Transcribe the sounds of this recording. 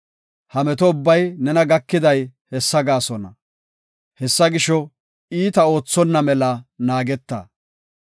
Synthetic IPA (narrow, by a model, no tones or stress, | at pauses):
hɐmɛt̪ɔʊbːɐjnɛnɐɡɐkːɪd̪ɐjhɛsːɐɡaːsɔnɐ | hɛsːɐɡɪʃɔ | iːt̪ɐo̞ːt͡sːɔnːɐmɛlɐnaːɡɛt̪ːɐ̰